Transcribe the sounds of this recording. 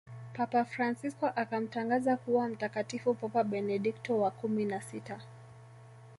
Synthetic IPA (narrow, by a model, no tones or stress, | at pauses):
papafɾansiskɔʔakam̩taŋɡazakuwam̩takatifupɔpaɓɛnɛɗiktɔwakuminasita